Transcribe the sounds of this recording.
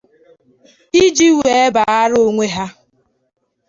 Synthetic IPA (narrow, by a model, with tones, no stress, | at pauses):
i˦d͡ʒi˦we˨e˦ba˨a˦ɾo˦ŋʷe˦ɦa˦